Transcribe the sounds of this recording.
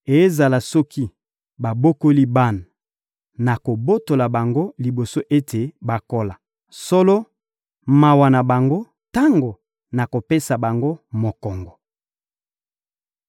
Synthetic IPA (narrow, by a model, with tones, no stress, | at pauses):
e˨e˦za˨la˨sɔ˦ki˦ | ba˨bo˦ko˦li˦ba˦na˨ | na˨ko˨bo˦to˨la˨ba˨ŋɡo˦li˨bo˨so˦ʔe˦tʰe˨ba˨ko˦la˨ | sɔ˦lɔ˦ | ma˨wa˨na˨ba˨ŋɡo˦ | ta˦ŋɡo˨ | na˨ko˨pe˦sa˨ba˨ŋɡo˦mo˨kɔ˨ŋɡɔ˨